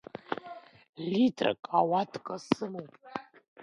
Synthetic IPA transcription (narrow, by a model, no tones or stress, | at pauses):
litʰra̰kʼʰawatʰʼkʼasɨmowpʼ